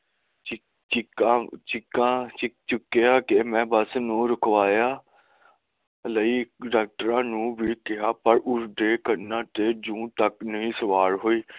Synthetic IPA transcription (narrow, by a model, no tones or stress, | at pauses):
t͡ʃɪkaːt͡ʃɪkãːt͡ʃɪk̚t͡ʃʊkːeaːkemɛ̃ːbəsnũːɾʊkʋaːjaː | ləiːɖaːk̚ʈəɾãːnũːʋiːkɪɦaːpəɾʊɾd̪eːkəɾnãːt̪eːd͡ʒũːt̪əknəɦĩːsəʋaːɾɦoːiː